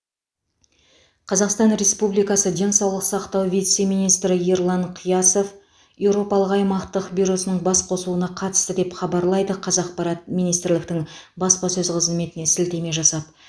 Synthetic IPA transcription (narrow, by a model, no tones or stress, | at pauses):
qʰɑzɑqst̪ɑnɾe̞spublijkɑsəd̪e̞nsɑwlˠəqsɑqt̪ɑwvʲit̪se̞mijnijst̪ɾɪjeɾlˠɑɴqʰijɑso̞f | je̞wɾo̞pɑlˠəqɑjmɑqt̪əqbijɾo̞sənəɴbɑsqʰo̞slˠuənɑqʰɑt̪ə̥st̪əd̪e̞pχɑbɑɾlˠɑjd̪əqʰɑzɑqpɑɾɑt̪̚mijnijst̪ɾlɪk̚t̪ɪŋbɑspɑsɵzqʰəzzme̞t̪ɪne̞sɪlt̪e̞me̞ʒɑsɑp̪̚